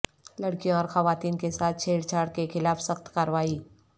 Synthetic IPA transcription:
ləɽkijõɔːɾxɐʋaːt̪iːnkesaːt̪̚ʰt͡ʃʰeːɽt͡ʃʰaːɽkexɪlaːfsəxt̪kaːɾʋaːiː

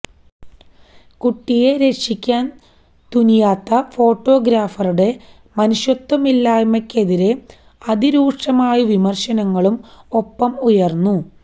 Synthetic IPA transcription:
kuʈːije̞ɾe̞kʂikʲːaːn | t̪unijaːt̪ːɐfo̞ːʈːo̞ːɡɾaːfɐruɽe̞ | mɐnuɕjot̪ːwɐmilːaːjmɐkʲːe̞ðiɾe̞ | ɐðiɾuːʂɐmaːjiʋimɐrɕɐnɐŋːɐɭumo̞pːɐmujɐrnːu

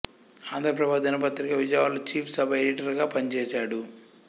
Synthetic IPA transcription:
aːnd̪ʱɾɐpɾɐbʱaːd̪ɐnɐpɐt̪ːɾiɡaʋid͡ʒaʋaːlut͡ʃiːpʰsɐbʱɐeliʈɐɾɡaːpɐnit͡ʃɛːsaːɽu

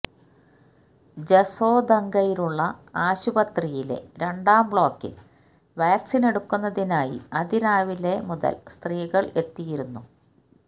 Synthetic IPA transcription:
d͡ʑeso̞ːd̪ɐŋɡɐjiluɭːɐaːɕubɐt̪rijile̞̰ɾe̞ɳɖaːmbɭo̞ːkːɨ̰ | ʋaːksine̞ɽukːunːɐðinaːjḭɐd̪iɾaːʋile̞muðɐ̰lst̪riːɣɐɭe̞t̪ːijiɾunːu

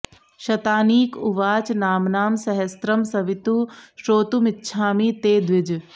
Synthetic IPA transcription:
ʃɐt̪aːniːkʊʋaːt͡ʃnaːmnaːmsɐɦɐst̪ɾɐmsɐʋit̪uʃɾoːt̪umɪtːʃʰaːmit̪eːd̪ʋɪd͡ʒ

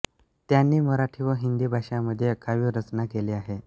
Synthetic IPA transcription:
t̪janːiːməɾaʈʰiʋəɦind̪iːbʱaɕaməd̪ʱːjekaʋiːɾət͡snakeliːaɦe

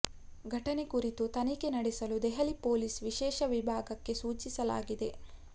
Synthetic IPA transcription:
ɡʱɐʈɐnekuɾit̪ut̪ɐnike̞nɐɽesɐlud̪ɛɦɐlipoːlisʋiʃɛːʃɐʋibʱaːɡɐkːe̞suːt͡ʃisɐla̰ːɡid̪e̞

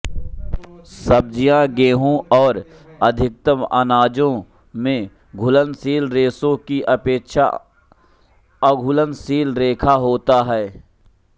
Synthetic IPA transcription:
səb̚d͡ʒijãɡeːɦõʔɔːɾ | ɐd̪ʱɪk̚t̪əmə̰naːd͡ʒõ | mẽ | ɡʱʊlənsiːlɾeːsõkiʔɐpeːkʃa̰ | əɡʱʊlənsiːlɾeːkʰaɦoːt̪aɦɛː

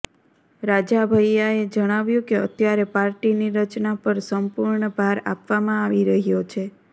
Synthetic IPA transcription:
ɾad͡ʒabʱəjaed͡ʒəɽ̃aʋjũkeə̰t̪jaɾepaɾʈiniɾət͡ʃnapəɾsəmpuɾɳəbʱaɾa̰pʋamãaʋiɾəɦijot͡ʃʰe

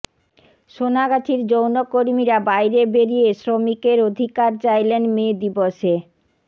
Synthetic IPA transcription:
ʃonaɡat͡ɕʰiɾd͡ʑownokoɾmiɾabajɾebeɾijesɾomikeɾod̪ʱikaɾt͡ɕajlenmed̪iboʃe

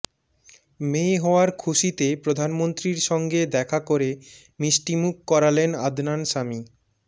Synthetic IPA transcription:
meɦɔoaɾkʰuʃit̪epɾod̪ʱanmont̪ɾiɾʃɔŋɡed̪ɛkʰakoɾe | miʃʈimukːɔɾalena̰d̪ʱnanʃami

